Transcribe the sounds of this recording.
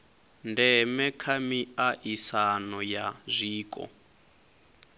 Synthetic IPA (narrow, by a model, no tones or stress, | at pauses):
ndɛmɛkʰamiaʔisanɔjazʷiːkʼɔ̰